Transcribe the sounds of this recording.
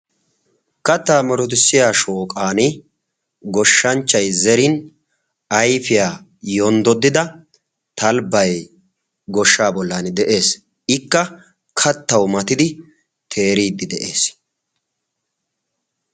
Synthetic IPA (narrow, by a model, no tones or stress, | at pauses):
kɐt̪ːaːmɔɾɔt̪̬ɪsːɪjaːʃoːkʼaːnɪ | ɡɔʃːɐnt͡ʃːɐjzɛɾɪn | ɐjfɪjaː | jɔnd̪ɔd̪ːɪd̪ɐ | t̪ɐlbɐj | ɡɔʃːaːbɔlːaːnd̪ɛʔe̞ːs | ɪkːɐ | kʰɐt̪ːɐwmɐt̪ɪd̪ɪ | t̪ʰe̞ːɾiːd̪ːɪd̪ɛʔe̞ːs